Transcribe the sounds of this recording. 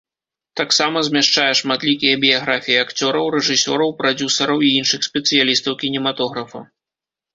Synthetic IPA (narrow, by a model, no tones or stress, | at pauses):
t̪aksamɐzʲmʲaʂt͡ʂajɛʂmat̪lʲikʲijɐbʲijaɣɾafʲijiakt͡sʲɔɾɐwɾɛʐɨsʲɔ̰ɾɐwpɾad͡zʲusɐɾɐwiinʂɨxsʲpʲɛt̪sɨjalʲist̪ɐwkʲinʲɛmat̪ɔɣɾɐfɐ